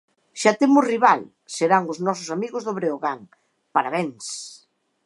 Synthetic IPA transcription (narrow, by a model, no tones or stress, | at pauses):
ʃat̪emʊsriβal | seɾaŋʊznɔsʊsamiɣʊzðoβɾeoɣaŋ | paɾaβeŋs